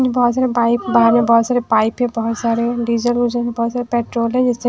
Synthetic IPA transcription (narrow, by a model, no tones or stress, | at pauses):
d͡ʒbɔɦɔt̪saːɾepaːɪpbaɦɾmẽbɔɦɔt̪saːɾepaːɪpɦɛ̃bɔɦʊt̪saːɾeɖiːd͡ʒəlɡud͡ʒəɦɛ̃bɔːt̪saːɾepɛːʈɾoːlɦɛ̃d͡ʒɪse